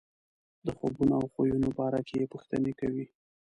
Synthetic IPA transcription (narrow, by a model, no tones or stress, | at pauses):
d̪əxobunoawxojunobɑɾakejepuxt̪ə̰nekawi